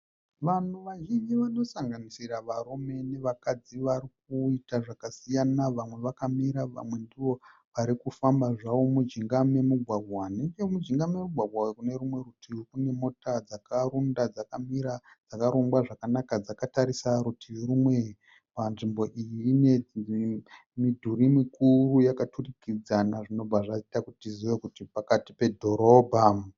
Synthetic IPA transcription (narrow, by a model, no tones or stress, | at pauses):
ʋan̤uʋaʒind͡ʒiʋano̞saŋɡanisiraʋaɾume̞ne̞ʋakad͡ziʋaɾik̚uitaʐakasijanaʋamwe̞ʋakamiɾaʋa̰mwe̞ndiʋo̞ | ʋaɾikufambaʐawomud͡ʒiŋɡame̞muɡʱwaɡʱwaneɡemud͡ʒiŋɡamemuɡʱwaɡʱwawekune̞ɾumwe̞ɾutʰikune̞mo̞tad͡zakaɾundad͡zakamiɾa | d͡zakaɾuŋɡwaʐakanakad͡zakataɾisaɾutʰiwiɾumwe̞ | panʐimbo̞ʔijine | midʱuɾimikurujakaturikid͡zanaʐino̞b͡vaʐaitakutiziʋekutipakatipe̞dʱo̞ɾo̞ːbʱa